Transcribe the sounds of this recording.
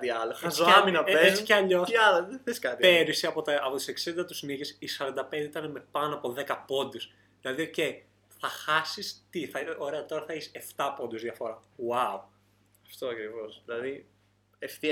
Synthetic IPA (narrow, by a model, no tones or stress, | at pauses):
t̪iɐloxsɐminɐeesceɐʎoɐloðeθeskɐt̪ipeɾisiɐpo̞t̪ɐɐpo̞t̪i̥se̞ksind̪ɐt̪u̥sniʝesisɐɾɐnd̪ɐpend̪eit̪ɐneme̞pɐnoɐpo̞ðe̞kɐpo̞nd̪es | ðilɐðio̞ce̞i | θɐxɐsist̪iθɐo̞ɾe̞ɐt̪o̞ɾɐθɐeçise̞ft̪ɐpo̞nd̪uzðʝɐfo̞ɾɐwau | ɐft̪oɐkɾivo̞zðilɐði | eft̪i